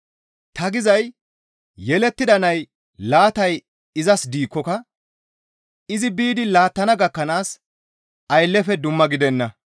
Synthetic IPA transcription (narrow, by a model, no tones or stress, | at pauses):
t̪ɐɡɪzɐj | jɛlɛt̪ːɪd̪ɐnɐj | laːt̪ɐj | ɪzɐsd̪iːkːɔkɐ | ɪzɪbiːd̪ɪlaːt̪ːɐnɐɡɐkːɐnaːs | ɐjlːɛfɛd̪ʊmːɐɡɪd̪ɛnːɐ